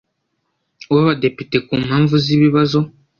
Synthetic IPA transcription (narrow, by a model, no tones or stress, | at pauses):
waβadepitekuːm̤haːɱvuziβiβazo